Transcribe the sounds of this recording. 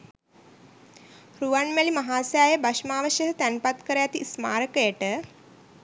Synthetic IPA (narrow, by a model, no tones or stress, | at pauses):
ɾuʋaɳmælimɐɦaːsjaːjəbaʃmaːʋəʃjəsət̪ænpat̪kəɾəjat̪isma̰ːɾəkəjəʈə